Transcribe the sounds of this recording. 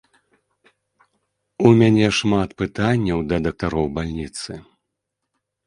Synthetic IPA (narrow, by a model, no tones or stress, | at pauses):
umʲanʲɛʂmat̪pɨt̪anʲːɐwd̪ɐd̪ɐk̚t̪aɾɔwbalʲnʲit̪sɨ